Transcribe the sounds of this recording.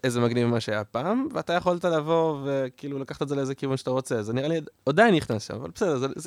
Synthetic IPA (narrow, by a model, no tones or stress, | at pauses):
ezemaɡnivmaʃeajapaːmveat̪ajeχolt̪alavo̞ve̞kiiːlulakaχt̪ezeleeze̞kivunʃeat̪aʁo̞t͡se̞zeniʁaliod̪ainiχnasʃa̰mava̰lbe̥sedezez